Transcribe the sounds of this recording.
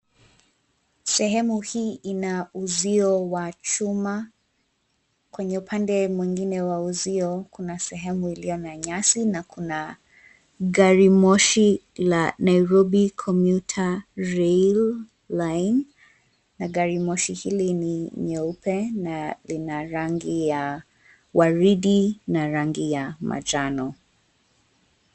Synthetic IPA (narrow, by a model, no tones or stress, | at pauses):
sɛɦɛmuhiːʔinauziɔwat͡ʃuma | kwɛɲɛupʰandɛmwĩŋɡinɛwauziɔkunasɛɦɛmuilijɔnaɲasinakʰuna | ɡaɾimɔʃi | lanajɾɔbikʰɔmjutʰaɹɛl | lajnː | aɡaɾimɔʃihiliniɲɛupʰɛnalinaɾaŋɡija | waɹiɗinaɾaŋɡijama̰d͡ʒanɔ